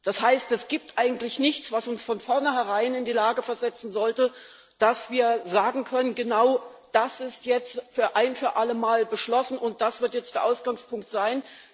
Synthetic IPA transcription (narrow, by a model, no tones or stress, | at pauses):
d̥ashaɪstɛsɡ̥iːp̚tʔaɪɡŋ̩tlɪçnɪçt͡sv̥asʊnsfɔnfɔɐnəɦɛʁaɪnɪndiːlaːɡəfɛɐzɛt͡sn̩zɔltə | d̥asv̥iːɐzaːɡŋ̩kʰœnənɡənaʊ | d̥asɪstjɛt͡stfyːɐʔaɪnfyːɐʔaləmaːlbəʃlɔsn̩ʔʊnt̚d̥asv̥ɪɐtjɛt͡std̥eːɐʔaʊsɡ̥aŋspʊŋk̚tz̥aɪn